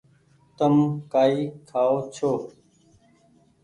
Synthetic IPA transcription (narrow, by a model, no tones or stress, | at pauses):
t̪ɐmkaːiːkʰaːot͡ɕʰoː